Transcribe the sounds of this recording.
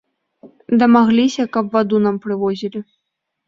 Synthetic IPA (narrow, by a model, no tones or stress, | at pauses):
d̪ɐmaɣlʲisʲɐkɐbvad̪unampɾɨvɔzʲilʲi